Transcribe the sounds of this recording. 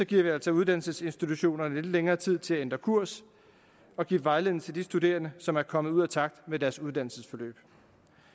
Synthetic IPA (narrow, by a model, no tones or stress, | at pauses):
sɒ̽ɡ̥iɐ̰ʋiælsɒ̽uð̞ˠd̥ænlsəse̝nsd̥it͡sʰuɕo̝̰ːnɐnəle̝d̥əleŋɐːt͡sʰið̞̰ˠt͡sʰe̝læend̥ʁɐkʰuɐ̰s | ɒ̽ɡ̥ḭːʋɑ̈ɪle̝ðˠn̩t͡sʰe̝ld̥isd̥ude̝̰ːɐnəsɒ̽mæɐkʰɒ̽məð̩ˠuð̰ˠæt͡sʰɑ̈ɡ̥̚d̥med̥æɐsuð̞ˠd̥ænl̩səsfɒ̽lø̰ːb̥